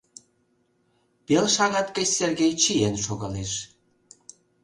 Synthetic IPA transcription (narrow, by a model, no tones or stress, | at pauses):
pelʃɑɣɑt̪kət͡ɕserɣejt͡ɕienʃoɣɑleʃ